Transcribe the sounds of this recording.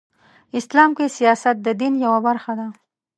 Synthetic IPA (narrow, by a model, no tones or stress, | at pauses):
ɪslɑmkesijɑsat̪̚d̪əd̪injawabaɾxad̪a